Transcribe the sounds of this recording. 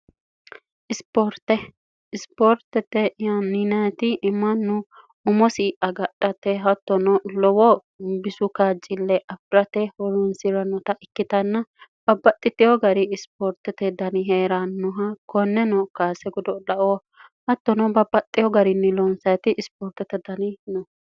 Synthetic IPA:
ʔɪspoɾt̪ːɛ | ɪspɔɾt̪ɛt̪ːɛjaninɐt̪ɪʔɪmːɐnːʊ | ʊmɔsiːʔɐɡɐᶑɐt̪ːɛɦɐt̪ːɔnɔlɔwɔ | bɪsʊkaːd͡ʒɪlːɛʔɐfɾɐt̪ɛhɔɾɔnsɪɾɐnɔt̪ɐʔɪkːɪt̪ɐnːɐb̥ɐbːɐt̪ʼːɪt̪ːɪjɔɡɐɾɪɪspɔɾt̪ɛt̪ɛd̪ɐnɪɦeːɾanːʊɦɐkɔnːɛnɔkaːsɛɡɔd̪ɔᶑɐʔo | hɐt̪ːɔnɔbɐbːɐt̪ʼːɪjɔɡɐɾɪnːɪlɔnsɐt̪ɪʔɪspoːɾt̪ɛt̪ːɛd̪ɐnɪnɔ

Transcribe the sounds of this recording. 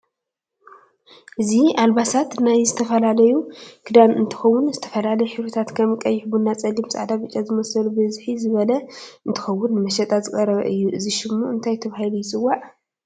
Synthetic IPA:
ʔɨziʔalbasat̪najzɨt̪ʰɐfɐlalɐjukʰɨd̪amɨ̰nt̪ʰɨ̥xɐwːʊnzɨt̪ʰɐ̥fɐlalɐjħɨβut̪ʰat̪kʰɐmkʼɐjːɪħbunːat͡sʼɐlːimsʼa̰ʕd̪abɨt͡ʃʼːazɨmɐsɐlubɨzħizɨβɐlɐɨnt̪ʰɨ̥xɐwːʊnːɨmɐʃɐt̪ʼazɨkʼɐɾɐβɐ̰ʔɨjːuʔɨziʃɪmːuʔɨnt̪ʰajt̪ʰɐβahilujɪt͡sʼɨwːaʕ

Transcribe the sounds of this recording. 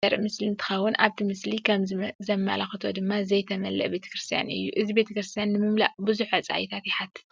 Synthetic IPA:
ɐɾʔmɨslint̪ʰɨ̥xɐwːʊnʔa̰βt̪ʰimɨslikʰɐmzɐmːa̰laxɨt̪ʰo̞d̪ɨmːazɐjt̪ʰɐmɐlːɐ̰ʔbe̞t̪ʰɐ̥kɾɨst̪ʰija̰nɨ̰jːuʔɨzibe̞t̪ʰɐkɾɨst̪ʰijanːɨmɨmla̰bɨzuħɐt͡sʼa̰jt̪ʰat̪jɪħat̪ʰːɨ̥

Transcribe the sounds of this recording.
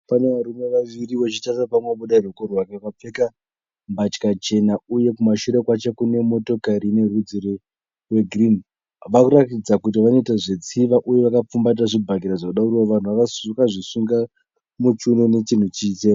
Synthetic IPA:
pane̞ʋaɾume̞ʋaʋiriʋo̞t͡ʃitasapamweɓuɗairwekorwakakap͡feka | mbat͡ʃkat͡ʃe̞nauje̞kumaʃuɾe̞kwat͡ʃekune̞mo̞to̞kaɾine̞rud͡ziɾe | we̞ɡʱrin | ʋakuɾatid͡zakut̬iʋano̞itaʐe̞t͡siʋaʔujeʋakap͡fumbat̬aʐibʱaɡiɾaʐaaɗaurioʋan̤uʋakasɡaʐisuŋɡa | mut͡ʃunone̞t͡ʃin̤ut͡ʃiːt͡ʃe

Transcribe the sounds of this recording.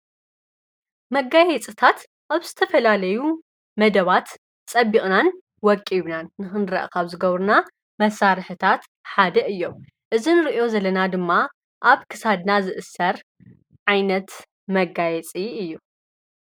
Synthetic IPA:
mɐɡajɛt͡sʼɨt̪ʰat̪ | ʔaβzɨt̪ʰɐfɐlalɐju | mɐd̪ɐβat̪ | t͡sʼɐbːikʼnan | wɔkʼːiβnanːɨxɨnɾɐ̰ʔkʰɐβzɨɡɐβɾuna | mɐsaɾɨħɨt̪ʰat̪ | ħad̪ɐʔɨjːo̞m | ʔɨzinɨɾiʔio̞zɐlɐnad̪ɨmːa | ʔaβkʰɨ̥sad̪nazɨʔɨsːɐɾ | ʕajnɐt̪ | mɐɡajɛt͡sʼiɨjːu

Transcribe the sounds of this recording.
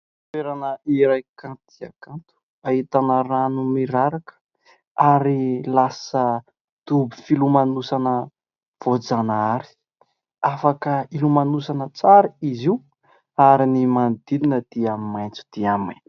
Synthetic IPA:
feɾanəiɾajkãnt̪ia̰kãnt̪u̥ | aɦit̪anəɾanumiɾaɾakə̥ | aɾilasə | t̪ubifilumanusanə | v̥od͡zanaaɾi̥ | afakəilumanusanət͡saɾiiziw | aɾinimand̪id̪inəd̪̥iamimajnt͡su̥d̪̥iamin

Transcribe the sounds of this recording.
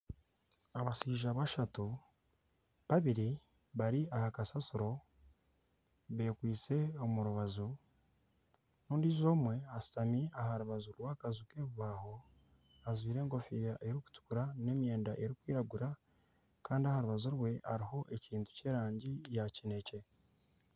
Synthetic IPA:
aβasiːʒaβaʃatu | βaβiɾi | βaɾiahakasasuɾo̞ | βe̞ːkwiːt͡se̞o̞muɾuβazu | nuːndiːzo̞ːmwe̞asi̥tamiahaɾuβazuɾwaːkazuke̞ːβuβaːho̞ | azwiːɾe̞ːŋɡo̞fijaʔeɾiku̥tu̥kuɾane̞ːmje̞ːndaʔe̞ɾikwiːɾaɡuɾa | kaːndiahaɾuβazuɾwe̞ʔaɾiho̞ʔe̞ciːntu̥ce̞ːɾaːɲɟijacine̞ce̞

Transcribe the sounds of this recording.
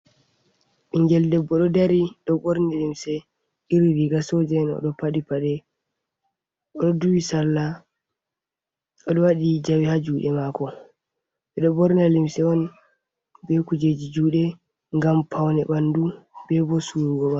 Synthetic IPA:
ʔiŋɡɛldɛbːɔɗɔdaɾiɗɔbɔɾnɛlimsɛ | ʔiɾiɾiɡasɔd͡ʒɛnɔ̰ɗɔpaɗipaɗɛ | ʔɔɗɔduwisalːa | ɔɗɔwaɗid͡ʒawihad͡ʒuːɗɛmakɔ | ɓɛɗɔbɔɾnalimsɛɔn | bɛkud͡ʒed͡ʒid͡ʒuːɗɛ | ŋɡampʰawnɛɓandubɛbɔsuɾuɡɔɓa

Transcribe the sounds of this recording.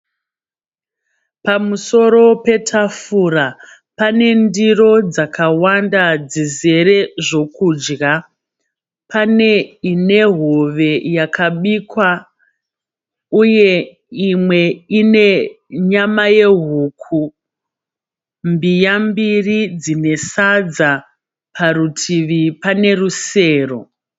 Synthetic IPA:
pamuso̞ɾo̞pe̞tʰafuɾa | pane̞ndiro̞d͡zakawandad͡zize̞ɾe̞ʐo̞kuːd͡ʒɡa | pane̞ine̞ɦoʋe̞jakʰaɓikwa | uje̞ | imwe̞ine̞ | ɲamaje̞ɦuːkʰu | mbijambirid͡zine̞sad͡za | pʰarutʰiʋipane̞ruse̞ːro̞

